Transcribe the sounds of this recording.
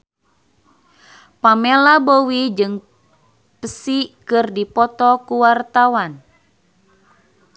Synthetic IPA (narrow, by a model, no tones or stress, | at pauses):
pamelabowid͡ʒɨŋ | pəsikɨrdipɔt̪ɔkuwart̪awan